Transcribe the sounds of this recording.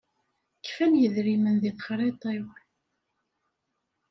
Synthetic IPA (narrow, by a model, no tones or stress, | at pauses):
kːfænjəðɾimənðiθˤχɾˤet̪ˤew